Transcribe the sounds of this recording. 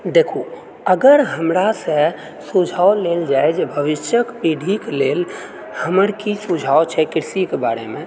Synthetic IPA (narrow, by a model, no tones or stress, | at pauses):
d̪eːkʰo | əɡəɾɦəmɾase | sʊd͡ʒʱaːoleːld͡ʒaːed͡ʒbʱəʋɪʃjəkpiːɖʱikleːl | həməɾkisʊd͡ʒʱaːot͡ʃʰɛkɪɾsikebaːɾemẽ